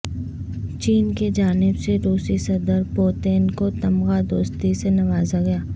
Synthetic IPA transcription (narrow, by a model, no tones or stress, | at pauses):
t͡ʃiːnked͡ʒaːnɪbseɾuːsisɐd̪əɾpoːt̪eːnkot̪ɐmɣad̪oːst̪isenɐʋaːzaɡɐjaː